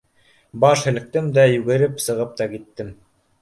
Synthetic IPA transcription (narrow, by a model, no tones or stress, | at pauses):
bɑʃhɘ̆lɘ̆k̚t̪ɘmd̪æjʉɡɘ̆ɾɘpsɤ̆ʁɤp̚t̪ɑkit̪ːɘm